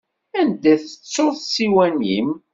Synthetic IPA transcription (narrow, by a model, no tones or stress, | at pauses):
ænd̪æθət͡sːʊɾθsiwænḭm